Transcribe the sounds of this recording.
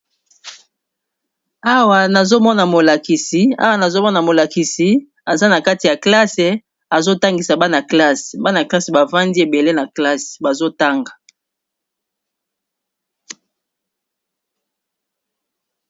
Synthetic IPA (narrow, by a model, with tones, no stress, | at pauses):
a˦wa˨na˨zo˦mɔ˦na˨mo˨la˨ki˨si˨˦a̰˦wa˨na˨zo˦mɔ˦na˨mo˨la˨ki˨si˨ | a˨za˦na˨ka˦ti˨ja˨kla˦se˨ | a˨zo˦ta˦ŋɡi˨sa˨ba˦na˨kla˦se̥˨ba˦na˨kla˦se˨ba˨va˦ndi˦e˨be˨le˦na˨kla˦se̥˨ba˨zo˦ta˦ŋɡa˨